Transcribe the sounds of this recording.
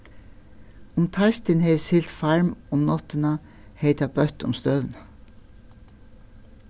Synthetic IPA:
ʊmt̪ʰɑst̪ɪnheːsɪlt̪fɑɹmʊmnɔt̪ənɑ | heɪt̪ɑbœt̪ʊ̰mst̪œʋn

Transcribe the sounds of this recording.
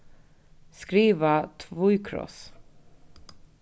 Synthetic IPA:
skɾiːvat̪ʰvʊjkʰɾɔ̰s

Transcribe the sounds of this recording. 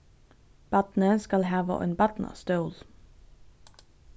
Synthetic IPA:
b̥ɑt̪n̩əskɑlhɑːʋə̰ʔḛːnbɑt̪n̩ʔɑ̰ːst̪œːl

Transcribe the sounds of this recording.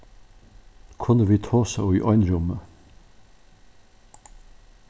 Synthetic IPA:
kʰʊnəʋiːt̪ʰoːsə̰ʏːʔɔʏnɾʊmə

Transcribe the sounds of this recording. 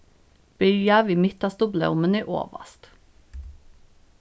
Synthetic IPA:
b̥ʏɑʋiːmɪt̪ɑst̪ʊblɛ̰ʊməniːʔo̰ːʋə̰st̪

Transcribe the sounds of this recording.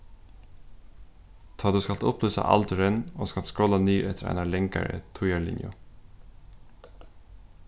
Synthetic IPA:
t̪ʰɑːd̪ʉskɑlt̪ʊplʏːsa̰ʔɑ̰lt̪ʏɾənoːskɑlskɹɔlːaniːʔɛt̪əɾæ̰ɪnalɛŋka̰ɾə̰t̪ʰʊjaɹlɪ̰njʊ̰

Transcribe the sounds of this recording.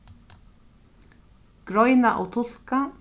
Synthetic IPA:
ɡ̥ɾɔjnaʔɔ̰wt̪ʰʊl̥ka

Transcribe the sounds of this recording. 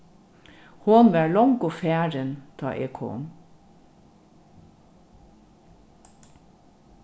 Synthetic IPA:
hoːnʋæːɭɔŋkofæːɾənt̪ʰɑ̰ːʔḛːkʰo̰ːn

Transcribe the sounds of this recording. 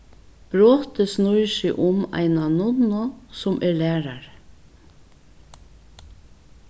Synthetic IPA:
b̥ɹoːt̪əsnʊjʃɪʔʊma̰ɪnanʊnɔsʊmʔɛɹlæːɾaɹ

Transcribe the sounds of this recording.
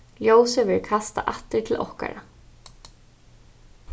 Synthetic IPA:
ljoːwsɪvɛɹkʰast̪a̰ʔaht̪ːɪɾt̪ʰɪlʔɔ̰hka̰ɾa

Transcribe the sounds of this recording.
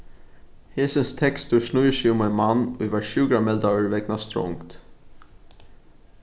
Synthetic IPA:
heːsənst̪ʰɛkst̪ʊsnujəʃimanmanːṵjʋaɹʃʉːkɾamɛlt̪aəɹʋɛknast̪ɾɔ̰ŋkt̪

